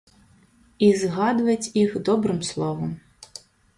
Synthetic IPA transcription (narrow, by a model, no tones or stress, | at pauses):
izɦɑd̪ʊʋɐtʲjixd̪ɔbɾɪmslˠɔʋɔm